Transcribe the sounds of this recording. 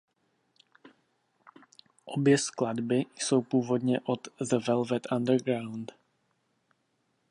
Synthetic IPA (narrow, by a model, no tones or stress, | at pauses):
ʔobjɛskladbɪso̞wpuːvo̞d̪ɲɛʔot̪zɛvɛlvɛt̪ʔandəɾɡɾawnt̪